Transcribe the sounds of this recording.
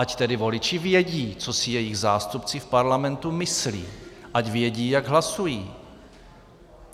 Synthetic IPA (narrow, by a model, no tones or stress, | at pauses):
ʔact̪ɛdɪvo̞lɪt͡ʃɪvjɛɟiːt͡sosɪjɛjɪɣzaːst̪upt͡sɪfpaɾlamɛnt̪umɪslḭːʔacvjɛɟiːjaɡɦlasujiː